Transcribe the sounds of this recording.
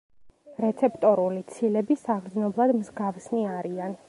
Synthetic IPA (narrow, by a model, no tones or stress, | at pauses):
ɾɛt̪sʰɛpt̪ʼɔɾulit̪sʰilɛbisaʁɾd̪znɔblˠad̪mzɡafsniaɾian